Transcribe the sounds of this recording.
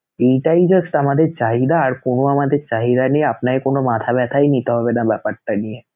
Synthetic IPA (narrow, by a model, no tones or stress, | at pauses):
ejʈaid͡ʒəsʈamad̪eɾt͡ʃaɦid̪aːɾkonoamad̪eɾt͡ɕaɦid̪aniapnakekonomat̪ʰabɛt̪ʰajnit̪eɦɔbenabɛpaɾt̪anie